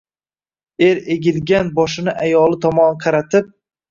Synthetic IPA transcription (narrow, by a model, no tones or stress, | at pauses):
e̞ɾeɡʲɪlɡʲanbɒʃɪnɪʔajɒlˠɪt̪ʰɒmɒnqʰɑɾat̪ʰɪp̚